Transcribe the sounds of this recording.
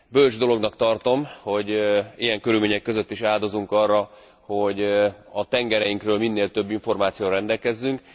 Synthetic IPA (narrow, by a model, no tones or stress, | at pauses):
bøld͡ʒd̪o̞lo̞ɡnɒkt̪ɒrt̪o̞mho̞ɟijɛŋkøɾyːlmeːɲɛkːø̞zø̞t̪ːiʃaːld̪o̞zuŋkɒrːɒ | ho̞ɟɒt̪ɛŋɡɛɾɛjiŋkrøːlminːeːlt̪ø̞bːiɱfo̞rmaːt̪sijoːɾɾɛnd̪ɛlkɛzːyŋk